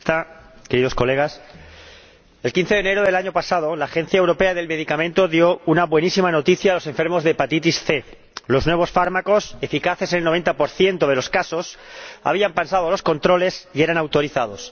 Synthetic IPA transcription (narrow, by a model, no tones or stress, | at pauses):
t̪ake̞ɾiðosko̞le̞ɣ̞as | e̞lkin̟θe̞ðene̞ɾoðe̞laɲo̞pasað̞o̞laːxe̞n̟θjaewɾo̞pe̞aðelme̞ðikamẽnt̪o̞ðjo̞unaβwe̞nisimano̞t̪iθjaːlo̞sẽ̞ɱfe̞ɾmo̞zðepat̪it̪isθe̞ | lo̞znwe̞β̞o̞sfaɾmako̞se̞fikaθe̞senelnoe̞nt̪apo̞ɾθje̞nt̪oð̞e̞lo̞skaso̞sa̰β̞iampensaðoalo̞skont̪ɾo̞le̞sie̞ɾanawt̪o̞ɾiθað̞o̞s